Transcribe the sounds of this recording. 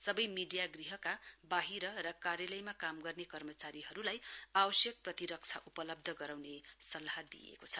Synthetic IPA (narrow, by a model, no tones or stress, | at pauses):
sʌbʌjmiɖijaɡriɦʌkabaɦiɾʌɾʌkaɾjʌlʌjmakamɡʌrnekʌrmʌt͡saɾiɦʌɾulajabʌsjʌk̚prʌt̪iɾʌk̚t͡sʰaʔupʌlʌb̚d̪ʱʌɡʌɾawnesʌlad̪ḭjḛkot͡sʰʌ